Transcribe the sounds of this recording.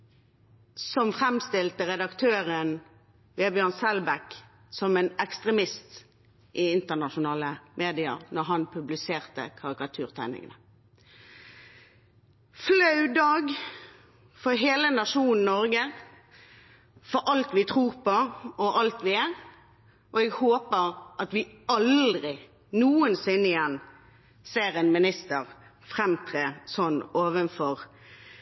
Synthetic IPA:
sɔmfʁɛmst̪ɪlt̪əʁɛd̪ɑkt̪ʰøːʁən | ʋeːbjøːʁnsɛlbæk | sɔmɛːnɛkst̪ʁɛmɪst̪ | ʔɪɪnt̪əʁnɑʃʊnɑːləmʔeːd̪ɪə̰ʁnɔʁɦɑnpʰʉblɪseːʁt̪ə̰kʰɑʁɪkɑt̪ʰʉːʁt̪ʰæɪnɪ̰ŋənə | flɑʉd̪ɑːɡ | fɔɾɦeːlənɑʂuːnn̩nːɔɾɡə | fɔɾʔɑlt̪ʋɪt̪ʰʁuːʁpɔɔʔɑlt̪ʋɪæːʁ | ʔɔɛɡhoːpəʁʔɑt̪ʋɪɑld̪ʁɪ | nuːənsɪnːɪjɛnː | seːɾɛnmɪnɪst̪əʁ | fʁɛmt̪ʰʁeːsɔnoːʋənfɔʁ

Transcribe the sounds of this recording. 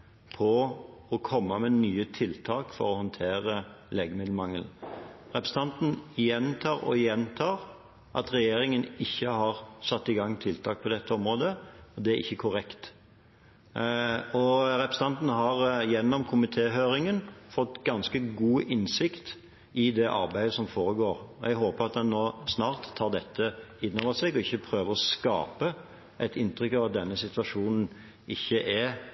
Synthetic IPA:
pʰɔɔkʰɔmːɑmɛnyːət̪ʰɪlt̪ʰɑːkfɔ̰ɾɔhɔnt̪ʰeːɾəleːɡəmɪd̪l̩mɑŋːəlnʁɛpɾəs̩ɑnt̪n̩jɛnt̪ʰɑːʁɔ̰jɛnt̪ʰɑːʁ | ʔɑ̰t̪ʁɛjeːɾɪŋənɪçːəhɑʁsɑt̪ːɪɡɑŋːt̪ʰɪlt̪ʰɑːk̚pʰɔd̪ɛt̪ːəɔmɾoːd̪əɔd̪ɛæɾɪ̰çːəkʰʊɾɛkt̪ | ɔɾɛpɾəsəɑnt̪n̩ɦɑʁjɛnːɔmkʰʊmɪt̪ʰeːɦøːɾɪŋənfɔt̪ːɡɑnskəɡuːʔɪnsɪkt̪ | ʔɪd̪ɛʔɑ̰ɾbæɪd̪əsɔmfoːɾəɡoːɾɔʔɛɡɦoːpəɾɑt̪̚d̪ɛnːoːsnɑːɾt̪ʰːɑːʁd̪ɛt̪ʰːəɪnːɔʋəsɛɡɔɪçːəpʰɾøːʋəɾɔskɑ̰ːpə | ʔæɪt̪ɪnt̪ɾʏkːɑːʋɑt̪̚d̪ɛnːəsɪt̪ʋɑʂuːnn̩ | ɪçːəʔɛ

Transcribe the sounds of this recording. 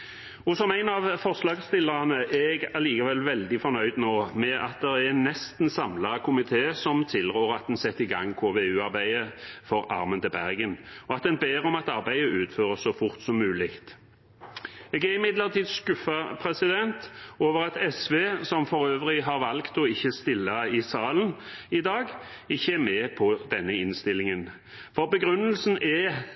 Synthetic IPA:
ɔsɔmæɪnɑʋfɔʁslɑːɡst̪ɪlːəʁɑnəʔɛɡæʁliːkɑʋɛlʋɛld̪ɪfɔnœʏd̪noːmɛʔɑ̰t̪̚d̪ɛɾænɛst̪n̩sɑmlɑkʰʊmɪt̪ʰeːsɔmt̪ʰɪlʁøːʁɑt̪̚d̪ɛnsɛt̪ːɪɡɑ̰ŋːkʰoːʋeːʉːɑʁbæɪəfɔɾɑ̰ɾmənt̪ɪlbæʁɡənɔɑt̪̚d̪ɛnbeːɾɔmɑt̪ɑʁbæɪəʉːt̪føːʁəssɔfʊʁt̪sɔmːʉːlɪkt̪ | eːɡæʁɪmɪd̪ləʁt̪ʰiːd̪skʉfɑpʰʁɛsɪd̪ɛnt̪oːʋəʁɑt̪ɛsʋeːsɔmfɔʁøːʋʁɪɦɑʁʋɑlkt̪ɔɪçːəst̪ɪlːɑɪsɑːlənɪd̪ɑːɡ | ɪçːəæmeːpʰɔd̪ɛnːəɪnst̪ɪlːɪŋən | fɔʁbəɡʁʉnːəlsn̩ʔɛ

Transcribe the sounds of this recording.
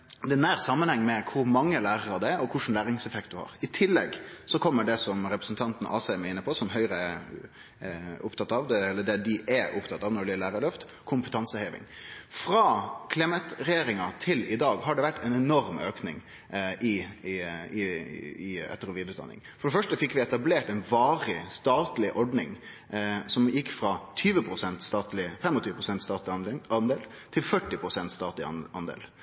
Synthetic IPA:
d̪ɛnæːɾsɑmːənhɛŋːmɛkʰʊɾmɑŋːəlæːɾəɾɑd̪ɛɾɔkʰʊʂn̩læːɾɪŋsɛfɛk̚t̪̚d̪ʉhɑ̰ːɾɪt̪ʰɪlːɛ̰ɡsɔkʰɔmːəɖɛsɔmɾɛpɾəsn̩t̪ʰɑnt̪n̩ʔɑ̰ːsɛɪmɛɪnːəpʰɔsɔmɦœʏɾəɛ | ʊpt̪ʰɑt̪ːɑʋd̪ɛɛlːəɖɛd̪ɪʔɛʔʊpt̪ʰɑt̪ːɑːʋnɔɭɪəlæːɾəlœft̪ | kʰʊmpət̪ʰɑnsəheːʋɪ̰ŋfɾɑːkʰlɪmət̪ɾɛjeːɾɪŋɑt̪ʰɪlɪd̪ɑːɡhɑɖɛʋæʈːɛnɛnɔɾmøːknɪ̰ŋ | ɪ | ɪɪɛ̰t̪ːəɾɔʋiːd̪ʉt̪ɑ̰nːɪ̰ŋfɔɖɛfœʂʈəfɪkːʋɪɛt̪ɑbleːʈɛɪnʋɑːɾɪst̪ɑːt̪lɪʔɔɖnɪŋ | sɔmjɪkːfɾɑt̪ʰyːʋəpʰɾʊsɛnt̪st̪ɑːt̪lɪəfɛmːɔt̪ʰyːʋəpʰɾʊsɛnt̪st̪ɑːt̪lɪɑnd̪eːlt̪ʰɪlfœʈːɪpʰɾʊsɛnt̪st̪ɑːt̪lɪɑnd̪ḛːl

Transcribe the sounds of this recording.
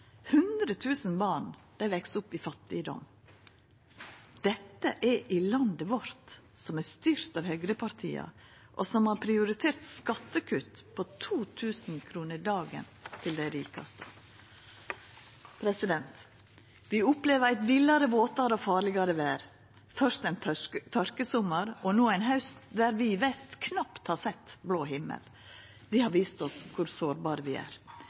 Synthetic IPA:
hʉnd̪ɾət̪ʰʉːsnbɑːɳd̪̥æɪʋɛksʊpːifɑt̪ːɪəd̪ɔ̰m | d̪̥ɛt̪ːəʔæɾʔɪlɑnd̪əʋɔɾt̪ | sɔmæːst̪yːɾt̪ɑʋhœɡɾəpʰɑɾt̪ʰḭːɑ̰ | ʔo̰sɔmhɑːɾpʰɾɪʊɾɪt̪ʰeːɾt̪skɑt̪ːəkʰʉt̪pʰot̪ʰuːt̪ʰʉːsn̩kʰɾuːnəɾd̪ɑːɡə̰nt̪ʰɪld̪æɪɾiːkɑ̰st̪ə | pʰɾɛsɪd̪ɛnt̪ | ʋɪʊpleːʋəɾæɪt̪ʋɪlːɑɾəʋoːt̪ɑɾəɔfɑːɾlɪɡɑɾəʋæːɾ | fœʂt̪æɪnt̪ʰɔɾkəsʊməɾɔnoːæɪnɦɑʉsd̪æɾʋɪʋɛst̪kʰnɑpt̪hɑːsɛt̪ːbloːɦɪmːə̰l | ʋɪhɑɾʋiːst̪ɔskʰʊɾsoːɾbɑːɾəʋɪæ̰ːɾ

